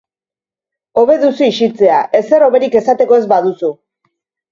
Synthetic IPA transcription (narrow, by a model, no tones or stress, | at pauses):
o̞βe̞ðusiːʃit͡se̞aʔe̞se̞ɾo̞βe̞ɾike̞sat̪e̞ko̞e̞zbaðusu